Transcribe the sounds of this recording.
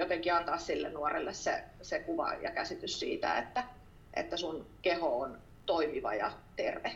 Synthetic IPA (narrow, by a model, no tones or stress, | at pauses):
jot̪eŋkiɑnt̪ɑːssilːennuɑrelːessḛsekuʋɑ̰jɑ̰kæsit̪yssiːt̪æ̰ḛt̪ːæ | ʔḛt̪ːæsunkehoon | t̪oimiʋɑ̰jɑ̰t̪erʋe